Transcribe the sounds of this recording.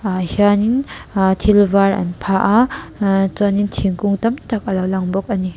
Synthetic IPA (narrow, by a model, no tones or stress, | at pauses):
haniŋtʰilbaɾa̰npʰaʔa | t͡sɔnintʰiŋkuŋtamtʰak̚ɐlawlaŋbɔk̚ani